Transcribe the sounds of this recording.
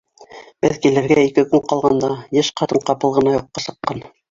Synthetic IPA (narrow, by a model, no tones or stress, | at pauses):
bɘðkilɘ̆ɾɡæikɘkɵŋqɑlˠʁɑnd̪ɑjɘʃqɑt̪ɤɴqɑpɤlˠʁɤ̆nɑjuqːɑsɤ̆qːɑn